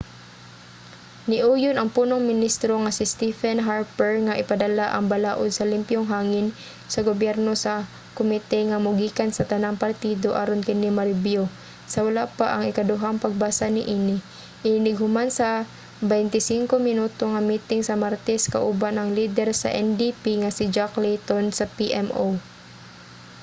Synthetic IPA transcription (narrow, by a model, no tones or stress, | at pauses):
nɪʔuːjʊnɐŋpuːnoŋmɪnist̪ɾoŋasɪst̪ifɛnɦaɾpɛɹŋaʔɪpad̪ɐlaʔɐŋbalaːʔod̪̚sɐlɪmpjʊŋɦaːŋɪn | sɐɡobjɛɾnosɐ | kʊmɪt̪ɛŋamʊɡiːkansɐt̪ɐnaŋpaɾt̪id̪oʔaɾonkɪnimaɾɪbjo | sɐwalapaʔɐŋɪkɐd̪ʊɦaŋpɐɡ̚basanɪʔiːnɪ | ʔɪnɪnɪɡhʊmansɐ | bɛjnt̪ɪsiŋkomɪnuːt̪oŋamiːt̪ɪŋsɐmaɾt̪ɛska̰ʔʊbanɐŋliːd̪ɛɾsɐ̰ʔɛnd̪ipiŋasɪd͡ʒaklit̪onsɐpiʔɛmo